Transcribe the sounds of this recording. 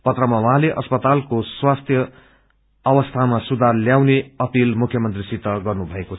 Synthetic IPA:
pʌt̪rʌmawãɦleʔʌspʌt̪alkoswast̪ʰjʌː | bʌst̪ʰamasud̪ʱarljawneʌpilmukʰjʌmʌnt̪risit̪ʌɡʌrnubʱʌekot͡sʰ

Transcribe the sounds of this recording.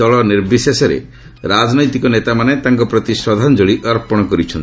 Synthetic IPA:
ɔɭɔniɾbisesɔɾḛ | ɾad͡ʒnɔjt̪ikɔnet̪amanet̪aŋkɔpɾɔt̪isɾɔd̪ʱand͡ʒoɭiʔɔɾpɔɽ̃ɔkɔɾit͡ʃʰɔnt

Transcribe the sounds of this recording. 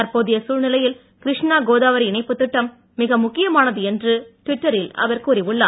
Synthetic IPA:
ɐɾpoːðɪjɐsuːɻnɪlɐjɪl | kɪɾɪʂɳaːɡoːðaːʋɐɾɪɳɐɪpːɯt̪ːɯʈːɐmː | ɪɣɐmʊkːɪjɐmaːnɐðɯɛndrɯʈʋɪʈːɐɾɪlɐ̰ʋɐɾkuːɾɪʋɯɭːaː

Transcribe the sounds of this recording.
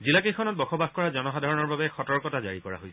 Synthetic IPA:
zilakejkʰɔnɔt̚bɔxɔbaxkɔɹazɔnɔxadʱaɹɔnɔɹbabɛxɔtɔɹkɔtazaɹikɔɹa̰ɦojsʰ

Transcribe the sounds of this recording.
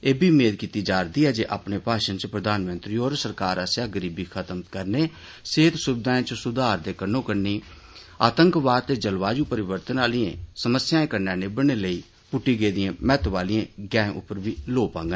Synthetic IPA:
eːbʱiːmeːd̪kiːt̪iːd͡ʒaːɾd̪iːɦɛːd͡ʒeːʔaːpneːpaːʃənt͡ʃpɾəd̪aːnmənt̪ɾiːoːɾsəɾkaːɾasjaːɡəɾiːbiːkʰət̪əmkəɾneː | seːt̪sʊbɪd̪aːẽːt͡ʃsʊd̪aːɾd̪eːkənõːkəɾniː | aːt̪əŋkʋaːd̪̚t̪eːd͡ʒəlʋaːd͡ʒũːpəɾɪʋəɾt̪ənaːliḛ̃ːsəməsːjãːẽːkəɾnãːneːbəɽ̃eːləiː | pʊʈːiːɡeːd̪ɪẽːmɛːt̪ʋaːliẽːɡɛ̃ːʔʊ̰pːəɾbiːloːpãːŋɡ

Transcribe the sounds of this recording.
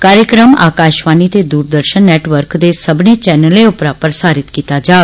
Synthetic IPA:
kaːɾjəkɾəma̰ːkaːʃʋaːniːt̪eːd̪uːɾd̪əɾʃənːɛːʈʋəɾkd̪eːsəbnẽːt͡ʃɛːnəleːʊpɾaːpəɾsaːɾɪt̪kiːt̪aːd͡ʒaː

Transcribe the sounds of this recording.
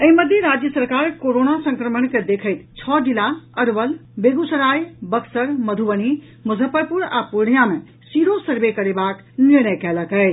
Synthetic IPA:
əɦiməd̪ʱjeɾad͡ʒjəsəɾkaɾkoɾonasə̃ŋkɾəməɳked̪ekʰəɪt̪t͡ʃʰɔd͡ʒilaəɾbəlbeɡusəɾajbəksəɾməd̪ʱubəni | mud͡ʒʱəpəɾpuɾa̰puɾɳijame | siɾosəɾbekəɾebak | niɾnəjkɛləkə

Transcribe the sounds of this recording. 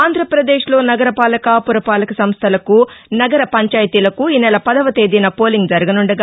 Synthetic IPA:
aːnd̪ʱɾɐpɾɐd̪eːʂlo̞ːnɐɡɐɾɐpaːlɐkaːpuɾɐpaːlɐkɐsɐmst̪ʰɐlɐkunɐɡɐɾɐpɐɲt͡ʃaːjɐt̪iːlɐkuiːnɛlɐpɐd̪ɐʋɐt̪eːd̪iːnɐpo̞ːliŋɡd͡ʒɐɾɐɡɐnuɳɖɐɡ

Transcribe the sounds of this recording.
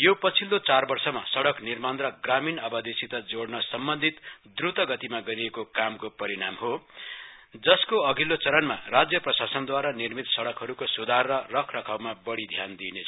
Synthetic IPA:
jopʌt͡sʰilːot͡sarbʌrsʌmasʌɽʌknirmanrʌɡraminʌbʌd̪esit̪ʌd͡zoɽnʌsʌmbʌnd̪ʱit̪d̪rut̪ʌɡʌt̪imaɡʌɾiekokamkopʌɾiɽamɦo | d͡zʌskoʌɡilːot͡sʌɾʌnmarad͡zjʌprʌsasʌnd̪waɾʌnirmit̪sʌɽʌkɦʌɾukosud̪ʱarːʌrʌkʰrʌkʰawmabʌɽid̪ʱjand̪inet͡sʰ

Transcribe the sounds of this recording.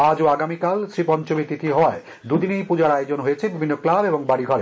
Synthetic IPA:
ad͡ʑoaɡamikalsɾipɔnt͡ɕobit̪it̪ʰiɦɔae | d̪ud̪inejpud͡ʑaɾajod͡ʑonɦojet͡ɕʰebibʱinːoklabeboŋbaɽiɡʱɔɾe

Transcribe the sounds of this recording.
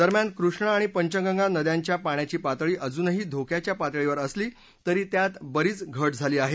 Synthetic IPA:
d̪əɾmjankɾuʂɳaːɽ̃ipəɲt͡ɕəŋɡəŋɡanəd̪jaɲt͡ɕjapaɳjat͡ɕiːpat̪ɭiːʔəd͡zuːnɦiːd̪ʱokjat͡ɕjapat̪ɭeʋəɾəsliː | t̪əɾiːt̪jat̪bəɾiːt͡sɡʱəʈd͡zʱaliːaɦe

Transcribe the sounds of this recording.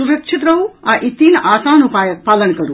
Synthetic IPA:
suɾɐkʂit̪ɾɐʋuaʔit̪iːnaːsaːnupaːjɐk̚paːlɐnkɐɾu

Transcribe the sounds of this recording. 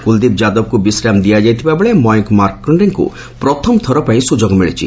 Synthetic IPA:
kuld̪it̪̚d͡ʒad̪ɔb̚kubisɾamd̪ijad͡ʒajt̪ʰibabeɭemɔjŋkmaɾkkɾɔɳɖeŋkṵ | pɾɔt̪ʰɔmɔt̪ʰɔɾɔpaĩsud͡ʒoɡɔmiɭit͡ʃʰḭ

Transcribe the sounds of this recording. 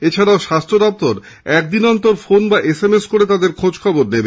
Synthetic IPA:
et͡ɕʰaɽaoʃast̪ɾod̪ɔp̚t̪oɾ | ɛk̚d̪inɔnt̪oɾfonbaʔesemeskoɾet̪ad̪eɾkʰod͡ʑkʰɔboɾnebe

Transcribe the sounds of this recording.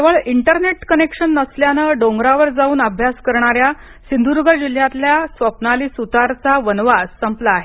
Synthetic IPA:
t̪eʋəɭiɳʈəɾneʈkənekʂənːəsljanəɖoŋɡɾaʋəɾd͡zauːnəbʱjaskəɾɳaɾja | sind̪ʱuɾuɡəd͡ʑil̤jat̪ljasʋəpnaliːsut̪aɾt͡saʋənʋasəmplaaɦe

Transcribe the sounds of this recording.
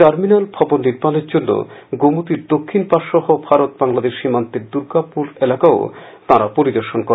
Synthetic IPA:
ʈaɾminalbʱɔbonːiɾmaneɾd͡ʑonːo̰ɡomut̪iɾd̪okʰːinpaʃɔɦobʱaɾot̪̚baŋlad̪eʃʃimant̪eɾd̪uɾkapuɾelakaot̪aɾapoɾid̪oɾʃonkoɾe

